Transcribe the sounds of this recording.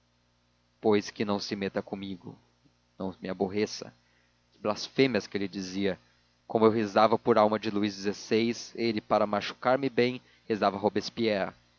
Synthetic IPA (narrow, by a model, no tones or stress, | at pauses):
pojskɪnɐ̃w̃sɪmet̪ɐkõmiɡʊ̰ | nɐ̃w̃mɪaboɦesɐ̰ | ɪblasfẽmiɐskɪelɪd͡ʒiziɐ | kõmʊewɦezavɐpoɾawmɐd͡ʒɪluizd͡ʒɪzesejselɪpaɾɐmaʃu̥kaɾmɪbẽj̃ | hezavɐɦobespiɛɾɐ